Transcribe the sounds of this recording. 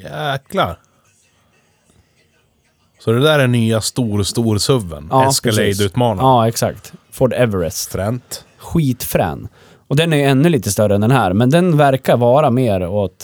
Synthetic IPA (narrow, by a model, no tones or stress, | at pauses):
jɛːklaɾ | sɔd̪ɛd̪æːɾɛnyːast̪uːɾst̪uːɾsɵvːə̰nɑɛːskɾalɛjd̪ʉ̟ːt̪mɑːnaɑːɛksa̰kt̪fɔɖɛvəɾɛsʰɾɛnt̪ | ɧiːt̪fɾɛ̰ːn | ɔd̪ɛnæɾjɵɛnːɵliːt̪əst̪œɾəɛnd̪ɛnɦæːɾmɛnd̪ɛnvæɾkaɾvɑːɾameːɾɔt̪